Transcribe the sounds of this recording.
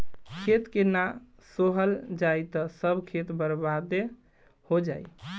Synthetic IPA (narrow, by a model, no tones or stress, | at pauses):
kʰet̪kena | soɦəld͡ʒajt̪ɔsəbkʰet̪bəɾbad̪e | hod͡ʒa̰j